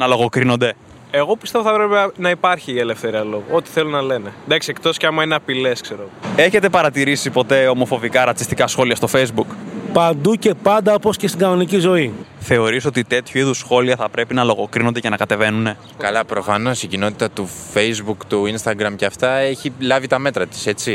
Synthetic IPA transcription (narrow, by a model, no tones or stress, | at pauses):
nɐlo̞ɣo̞kɾino̞nd̪e̞ | e̞ɣo̞pist̪evoθɐpɾepenɐipɐɾçiːele̞fθeɾiɐlo̞ɣoot̪i̥θe̞lonɐle̞ned̪ɐksie̞k̚t̪o̞sceɐmɐineɐpile̞skse̞ɾoɣoe̞çet̪e̞pɐɾɐt̪iɾisipo̞t̪e̞o̞mo̞fo̞vikɐɾɐt͡si̥st̪ikɐsxo̞liɐst̪o̞fejzbukpɐnd̪uce̞pɐnd̪ɐoposcest̪iɡɐno̞nicizo̞iθe̞o̞ɾiso̞t̪it̪e̞t̪çuiðusxo̞liɐθɐpɾe̞pinɐlo̞ɣo̞kɾino̞nd̪ecenɐkɐt̪e̞ve̞nune̞ | kɐlɐpɾo̞fɐno̞sicino̞t̪i̥t̪ɐt̪ufe̞jzbukt̪uinst̪ɐɡɾɐmceɐft̪ɐeçilɐvit̪ɐme̞t̪ɾɐt̪i̥se̞t͡si